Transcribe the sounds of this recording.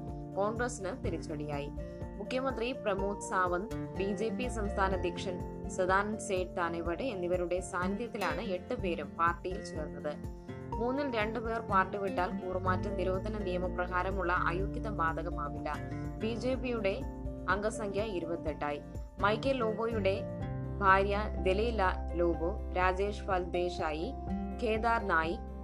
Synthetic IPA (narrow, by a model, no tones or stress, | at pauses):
koːɳɡrɐsinɨt̪iɾit͡ɕːɐɽijaːji | mukʰjɐmɐnd̪riprɐmoːd̪saːʋɐnd̪biːd͡ʑe̞ːpisɐmst̪ʰaːnɐd̪ʱjɐkʂɐn | sɐd̪ʱaːnɐnseːʈ̚t̪aːneʋɐɽeenːiʋɐɾuɽe̞saːnt̪jɐt̪ːilaːɳɨeʈːɨpe̞ːɾumpaːrʈːijilt͡ɕeːɾunːɐðɨ | muːnːilɾe̞ɳɖɨpeːrpaːrʈːiʋiʈːaːlkuːrmaːtːɐmniɾoːd̪ʱɐnɐnijɐmɐprɐɣaːɾɐmuɭːɐʔa̰ːjuːkjɐðɐbaːd̪ɐɣɐmaːʋilːɐbiːd͡ʑe̞ːpijuɽe̞ | ɐŋɡɐsɐŋkʰjɐiɾubɐt̪ːeʈːaːji | mɐjkːɐlloːboːjuɽe̞ | bʱaːɾjɐd̪eliːlɐloːbo | ɾaːd͡ʑeːʂfaːlbeːʂaːji | kʰeːd̪aːrnaːji